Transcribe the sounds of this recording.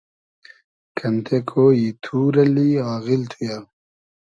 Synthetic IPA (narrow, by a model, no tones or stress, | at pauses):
kɐnt̪ʰekʰojit̪ʰuːɾɐliaːɣilt̪ʰuja